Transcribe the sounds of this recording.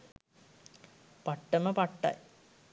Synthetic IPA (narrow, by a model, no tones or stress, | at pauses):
pɐʈːɐnːɐpɐʈːɐ̰j